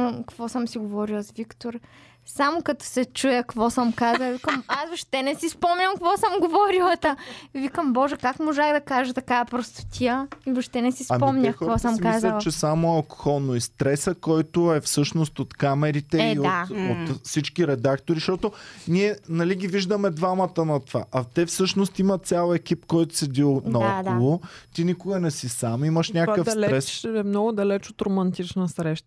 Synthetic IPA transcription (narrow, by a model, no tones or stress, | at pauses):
kɐvɔsəmsiɡovɔɾilˠɐzvikt̪oɾ | samokɐt̪ɔ̥sɛt͡ʃujəkvɔsəmkazəvikəmasvoʃt̪ɛnɛsispɔmɲʲɐmkkvɔsəmɡovɔɾilˠət̪avikəmbɔʒɛkakmoʒaɣd̪ɐkaʒət̪ɐkaɐpɾost̪o̥t̪ʰʲiəivɐʃt̪ɛnɛsispɔmɲʲəvɔsəmkazət͡ʃɛsamoɐlˠko̥xɔlˠnoist̪ɾɛsəkɔjt̪oɛfsɤʃnost̪ot̪kamɛɾit̪ɛioat̪ot̪sit͡ʃkiɾɛd̪akt̪oɾiʃt̪ɔt̪oniɛnɐliɡʲiviʒd̪əmɛd̪vamɐt̪ənɐt̪ova̰ʔɐt̪ɛfsɤʃnost̪imɐt̪sʲjalˠɛk̟ip̚kɔjt̪ʊ̥sɛd̪ilˠnɐɔkdolˠot̪inikʊɡənɛsisamiməʃnʲakəfslɛɾɛsɛmnɔɡʊd̪ɐlɛt͡ʃot̪ɾomɐnt̪it͡ʃnəsɾɛʃt̪